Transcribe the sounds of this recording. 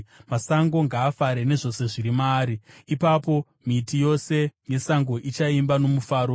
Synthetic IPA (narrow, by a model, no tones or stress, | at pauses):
masaŋɡo̞ŋɡaːfaɾene̞ʐo̞se̞ʐiɾimaːɾiipapo̞ | mitijo̞se̞je̞saŋɡo̞ʔit͡ʃaimbano̞mufaːɾo̞